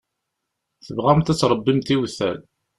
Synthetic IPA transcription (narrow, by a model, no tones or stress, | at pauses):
θəvʁæmt̪æt͡sːɾˤəbːimt̪iwθæ̰l